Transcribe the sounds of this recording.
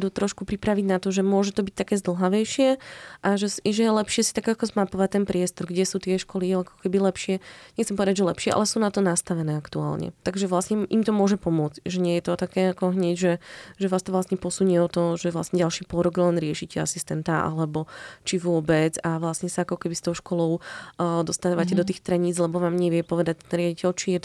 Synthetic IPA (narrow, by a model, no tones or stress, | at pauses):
d̪uːt̪ɾɔʃkupɾipɾaʋiɟnat̪ɔʒɛmʊɔʒɛt̪ɔbic̚t̪akɛːzd̪l̩ˠɦaʋɛjʃɪɛʔaʒɛsʒɛjɛlɛpʃɪɛsi̥t̪aɡakɔzmapɔʋac̚t̪ɛnpɾɪɛst̪ɔɾɡɟɛsuːt̪ɪɛʃkɔliakɔ̥kɛbilɛpʃɪɛɲɛxt͡sɛmpɔʋɛd̪aɟʒɛlɛpʃɪɛʔa̰lɛsuːnat̪ɔnast̪aʋɛnɛːakt̪ua̰ːlɲɛ̰t̪aɡʒɛʋlasɲɛʔimt̪ɔmʊɔʒɛpɔmʊɔt͡scʒɛɲɪɛjɛt̪ɔt̪akɛːakɔɦɲɛɟʒɛʒɛʋast̪ɔʋlasɲɛpɔsuɲɛɔt̪ɔʒɛʋla̰sɲɛɟalʃiːpɔlɾɔɡlɛnɾɪɛʃicɛa̰sist̪ɛnt̪aʔa̰lɛbɔt͡ʃiʋʊɔbɛd͡zaʋlasɲɛsaakɔkɛbist̪ɔʊʃkɔlɔʊd̪ɔst̪aːʋacɛd̪ɔt̪̬iːxt̪ɾɛɲiːd͡zlɛbɔʋaːmɲɛʋɪɛpɔʋɛd̪ac̚t̪ɛnɾɪaɟicɛlt͡ʃijɛt̪